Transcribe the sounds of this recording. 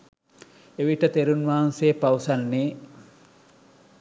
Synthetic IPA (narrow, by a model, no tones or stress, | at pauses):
eʋiʈət̪eɾunʋaːanseːpawsanːeː